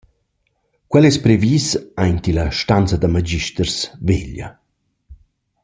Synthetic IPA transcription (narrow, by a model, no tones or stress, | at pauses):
kwɛlɛspɾeviːsajnt̪ilaʃtant͡sad̪amad͡ʑiʃt̪ərsveʎa̰